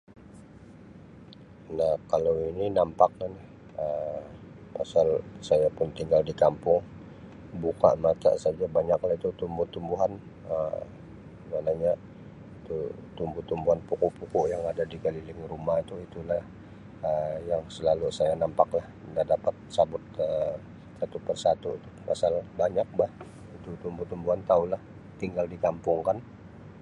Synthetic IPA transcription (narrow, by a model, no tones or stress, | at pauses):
nahkalawininampak̚lahnɛh | ə | pasalsajapʊnt̪iŋɡaldikampʊŋ | buka̰ʔmat̪a̰ʔsad͡ʒabaɲaklait̪ut̪umbʊht̪umbuɦan | ə | manaɲa | t̪ut̪umbʊht̪umbuɦanpukuʔpukuʔjaŋadadiɡalilɪŋrumahit̪uit̪ulah | əjaŋsəlalusajanampaklah | dadapat̪̚sabʊt̪̚ə | sat̪upərsat̪uit̪uma̰salbaɲak̚bah | it̪ut̪umbut̪umbuɦant̪aulah | t̪iŋɡaldikampʊŋkan